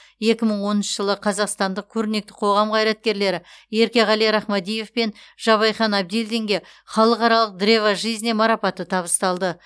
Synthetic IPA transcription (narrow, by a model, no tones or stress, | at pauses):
je̞kʲɪməɴwo̞nənʃəʒəlˠəqʰɑzɑqst̪ɑnd̪əq̚kʲʰɵɾɪne̞k̚t̪ɪ̥qʰo̞ʁɑmqʰɑjɾɑt̪̚kʲe̞ɾle̞ɾɪje̞ɾkʲe̞ʁɑlijɾɑχmɑd̪ije̞fpe̞nʒ̥ɑβɑjχɑnɑb̚d̪elʲd̪e̞ŋɡʲe̞ | χɑlˠəqɑɾɑlˠəq̚d̪ɾe̞vaʒijzɪne̞mɑɾɑpɑt̪ət̪ʰɑβəst̪ɑlˠd̪ə